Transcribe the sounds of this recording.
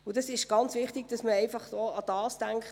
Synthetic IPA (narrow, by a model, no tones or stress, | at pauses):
ʊd̥ɑsɪʃɡ̥ɑnt͡sʋɪχtiɡ̥d̥ɑsməɛɪfɑχdoːɑd̥ɑːsd̥æŋkχ